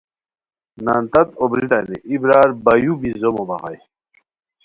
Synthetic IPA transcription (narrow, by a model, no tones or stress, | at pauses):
naːnt̪ɐt̪obɾit̪aniʔibɾaːɾbɐjubizomobɐʁɑ̰j